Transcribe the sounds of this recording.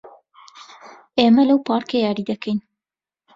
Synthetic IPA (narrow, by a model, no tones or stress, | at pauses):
ʔeːmɐlɐwpɑːɾkejɑːɾid̪ɐkʰɐjn